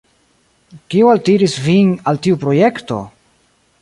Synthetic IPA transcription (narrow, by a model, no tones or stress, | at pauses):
kiualtiɾisvinaltiupɾo̞je̞kto̞̰